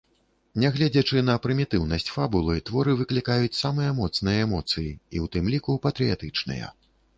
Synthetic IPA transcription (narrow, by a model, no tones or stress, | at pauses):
nʲɛɣlʲɛd͡zʲɐt͡ʂɨnɐpɾɨmʲit̪ɨwnɐsʲt͡sʲfabulˠɨt̪vɔɾɨvɨklʲikajut͡sʲsamɨjɐmɔt̪snɨjɐɛmɔt̪sɨjiiwt̪ɨmlʲikupɐt̪ɾɨjat̪ɨt͡ʂnɨ̰jɐ̰